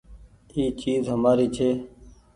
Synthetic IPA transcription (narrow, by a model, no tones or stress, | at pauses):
iːt͡ʃiːzɦəmaːɾiːt͡ʃʰeː